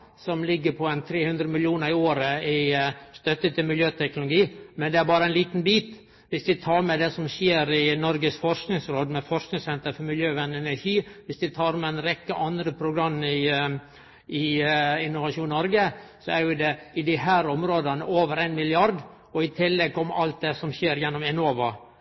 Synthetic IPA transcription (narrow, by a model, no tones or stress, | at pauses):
sɔmlɪɡːəpʰɔæɪnt̪ʰɾeːhʉnd̪ɾəmɪljuːnəɾɪoːɾəɪst̪œt̪ːət̪ʰɪlmɪljøːt̪ʰɛknʊlʊɡiːmɛnd̪ɛæɾbɑːɾəæɪnliːt̪n̩biːt̪ | ʋɪsd̪ɪt̪ʰɑːɾmɛd̪ɛsɔmʃjeːɾɪnɔɾɡəsfɔɾʂknɪŋsɾoːd̪mɛfɔɾknɪŋsɛnt̪əɾfɔɾmɪljøːʋænːɛnæʂiːʋɪsd̪ɪt̪ʰɑːɾmɛnɾɛkːəʔɑnd̪ɾəpʰɾʊɡɾɑmːɪ | ɪɪnːʊʋɑʂuːnnɔɾɡəsɔæɾjʊd̪ɛɪd̪ɪɦæːɾɔmɾoːd̪ɑnəʔoːʋəɾæɪnmɪlɪɑɾd | ɔɪt̪ʰɪlːɛɡ̚kɔmɑ̰lt̪̚d̪ɛsɔmɕeːɾjɛnːɔmɛnoːʋɑ